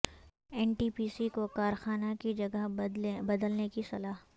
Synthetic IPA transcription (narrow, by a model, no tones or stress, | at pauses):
ɛːɳʈiːpiːsikokaːɾxaːnakid͡ʒɐɡəɦbɐd̪əlnekisɐlaːɦ